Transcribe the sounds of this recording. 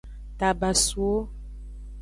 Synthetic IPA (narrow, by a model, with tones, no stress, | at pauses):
ta˨ba˨su˨o˦